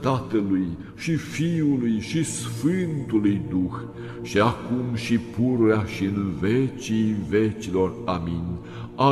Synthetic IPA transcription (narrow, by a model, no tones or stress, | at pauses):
t̪at̪əluj | ʃifiulujʃisfɨnt̪ulujd̪ux | ʃiakumʃipuɾueaʃiɨnvet͡ʃijve̞t͡ʃilo̞raminʲ | a